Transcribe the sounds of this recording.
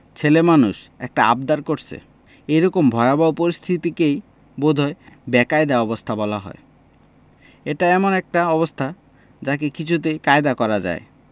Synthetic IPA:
t͡ɕʰelemanuʃɛ̰k̚ʈaa̰b̚d̪aɾkoɾt͡ɕʰḛ | ejɾɔkombʱɔababopoɾist̪ʰit̪ikej | bod̪ʱɔebɛkajd̪aɔbost̪ʰabɔlaɦɔ̰e | eʈaɛmonɛk̚ʈaɔbost̪ʰa | d͡ʑakekit͡ɕʰut̪ejkaed̪akɔɾad͡ʑa̰e

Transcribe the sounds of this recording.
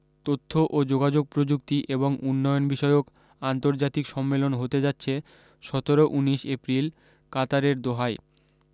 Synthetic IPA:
t̪ot̪ʰːoʔod͡ʑoɡad͡ʑoɡ̚pɾod͡ʑuk̚t̪iʔeboŋunːɔjonbiʃɔeok | ant̪oɾd͡ʑat̪ikʃɔmːelonɦot̪ed͡ʑatːɕʰe | ʃɔt̪oɾoʔuniʃepɾil | kat̪aɾeɾd̪oɦaj

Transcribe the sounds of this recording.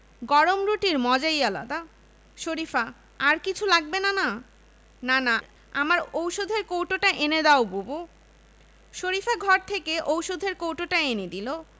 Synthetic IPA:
ɡɔɾomɾuʈiɾmɔd͡ʑaiala̰d̪a | ʃoɾifʰa | aɾkit͡ɕʰulaɡ̚benana | nana | amaɾowʃod̪ʱeɾkowʈoʈaʔened̪aobubo | ʃoɾifʰaɡʱɔɾt̪ʰekeʔowʃod̪ʱeɾkowʈoʈaened̪ilo

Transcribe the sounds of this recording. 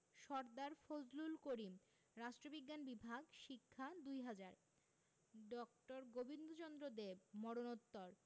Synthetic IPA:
ʃɔɾd̪aɾfod͡ʑlulkoɾi | ɾaʃʈɾobiɡːanbibʱaɡʃikʰːad̪ujɦad͡ʑaɾ | ɖɔkʈoɾɡobind̪ʱot͡ɕɔnd̪ɾod̪ebmɔɽonot̪ːoɾ

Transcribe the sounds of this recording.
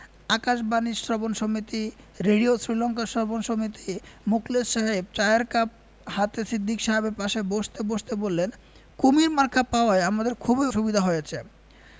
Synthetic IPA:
akaʃbanisɾɔbonʃomit̪i | ɾeɖiosɾilɔŋkasɾɔbonʃomit̪imuklesʃaɦeb̚t͡ɕajaɾkap̚ | hat̪esid̪ʱːikʃaɦebeɾpaʃeboʃt̪eboʃt̪ebolːen | kumiɾmaɾkʰapaoaeamad̪eɾkʰubeʃubid̪ʱaɦojet͡ɕʰe

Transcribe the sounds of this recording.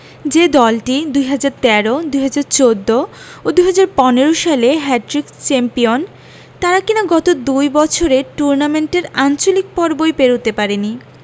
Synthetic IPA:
d͡ʑed̪ɔlʈid̪ujɦad͡ʑaɾt̪ɛɾod̪ujɦad͡ʑaɾt͡ɕod̪ːo | od̪ujɦad͡ʑaɾpɔneɾoʃaleɦɛʈɾikt͡ɕɛmpijon | t̪aɾakinaɡɔt̪od̪ujbɔt͡ɕʰoɾeʈuɾnameɳʈeɾant͡ɕolik̚pɔɾbojpeɾot̪epaɾeni

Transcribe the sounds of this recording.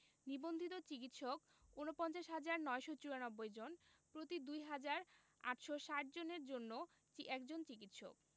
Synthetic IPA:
nibond̪ʱit̪̬ot͡ɕik̬it̪ʃok | unopɔnt͡ɕaʃɦad͡ʑaɾnɔeʃot͡ɕuɾanɔbːojd͡ʑonpɾot̪id̪ujɦad͡ʑaɾ | a̰ʈʃoʃaʈ̚d͡ʑoneɾd͡ʑonːo | t͡ɕiʔɛkd͡ʑont͡ɕikit̪ʃo̰k̚

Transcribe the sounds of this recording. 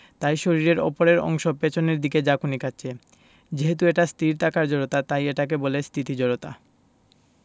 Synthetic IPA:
t̪ajʃoɾiɾeɾɔ̰poɾeɾɔ̰ŋʃopet͡ɕʰoneɾd̪iked͡ʑakunikʰaːɕʰe | d͡ʑeɦet̪ueʈast̪iɾt̪akaɾd͡ʑɔɾot̪at̪ajeʈak̬ebolest̪ʰit̪id͡ʑɔɾot̪a

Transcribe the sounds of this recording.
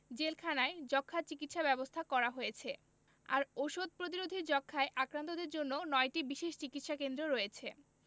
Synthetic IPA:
d͡ʑelkʰanaed͡ʑɔkʰːat͡ɕikit̪ʃabɛbost̪ʰakɔɾaɦojet͡ɕʰe | a̰ɾoʃod̪̚pɾot̪̬iɾod̪ʱid͡ʑɔkʰːaeʔakɾant̪od̪eɾd͡ʑonːonɔeʈibiʃeʃt͡ɕikit̪ʃakend̪ɾoɾɔjet͡ɕʰe

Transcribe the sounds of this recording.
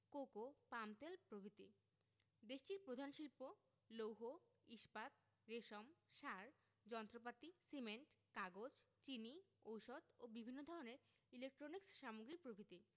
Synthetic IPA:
kokopamt̪elpɾobʱit̪ḭ | d̪eʃʈiɾpɾod̪ʱanʃilpo | lowɦo | iʃpat̪̚ | ɾeʃomʃaɾ | d͡ʑɔnt̪ɾopat̪isimeɳʈkaɡod͡ʑt͡ɕiniowʃɔd̪obibʱinːod̪ʱɔɾoneɾ | ilek̚ʈɾoniksʃamoɡɾik̚pɾobʱit̪i

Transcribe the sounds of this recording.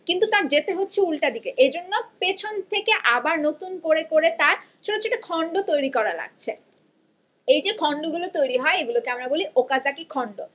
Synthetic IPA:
kint̪ut̪aɾd͡ʑet̪eɦotːɕʰeulʈad̪ikeʔed͡ʑonːopet͡ɕʰont̪ʰekeʔabaɾnot̪unkoɾekoɾet̪aɾt͡ɕʰoʈot͡ɕʰoʈokʰɔɳɖot̪ojɾikɔɾala̰ɡ̚t͡ɕʰe | ejd͡ʑekʰɔɳɖoɡulot̪ojɾiɦɔeeɡulokeamɾaboliʔokad͡ʑakikʰɔɳɖo

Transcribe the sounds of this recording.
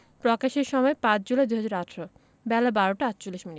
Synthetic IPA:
pɾɔkaʃeɾʃɔmɔepãt͡ɕd͡ʑulaed̪ujɦad͡ʑaɾaʈʰɾo | bɛlabaɾoʈaatːt͡ɕolːiʃmini

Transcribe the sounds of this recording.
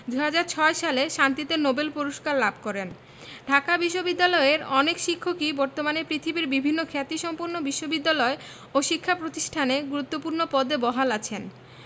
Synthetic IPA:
d̪ujɦad͡ʑaɾt͡ɕʰɔeʃaleʃant̪it̪enobelpoɾoʃkaɾlab̚ʱkɔɾen | ɖʱakabiʃːobid̪ːalɔeɾɔnekʃikʰːokibɔɾt̪omanepɾit̪ʰibiɾbibʱinːokʰɛt̪iʃɔmpuɾnobiʃːobid̪ːalɔe | oʃikʰːapɾot̪iʃʈʰaneɡuɾut̪ːopuɾnopɔd̪ebɔɦalat͡ɕʰen

